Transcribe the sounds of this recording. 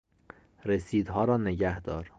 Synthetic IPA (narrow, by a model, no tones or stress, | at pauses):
ɾesiːd̪ɦɒːɾɒːneɟæhd̪ɒːɾ